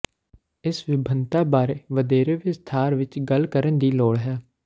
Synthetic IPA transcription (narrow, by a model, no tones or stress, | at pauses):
ɪsʋɪbʱənt̪aːbaːɾeːʋəd̪eːɾeːʋɪst̪ʰaːɾʋɪt͡ʃɡəlkəɾənd̪iːloːɽɦɛː